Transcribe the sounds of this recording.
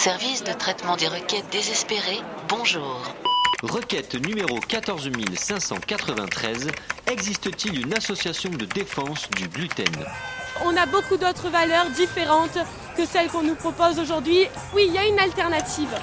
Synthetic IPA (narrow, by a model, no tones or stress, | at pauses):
sɛʁvisd̪ət̪χɛt̪mɑ̃d̪eʁəkʲɛt̪̚d̪ezɛspeʁebɔ̃ʒuːʁʁəkʲɛt̪nymeʁokat̪ɔʁzmilsɛ̃sɑ̰̃kat̪χəvɛ̰̃t̪χɛzɛɡzist̪ət̪ilynasɔsjasjɔ̃d̪əd̪efɑ̃sd̪yblyt̪ɛ̰nɔ̃nabokud̪ot̪χəvalœʁd̪ifeʁɑ̃t̪ | kəsɛlkɔ̃nupχɔpozoʒuʁd̪ɥi | wiljaynalt̪ɛʁnat̪iːv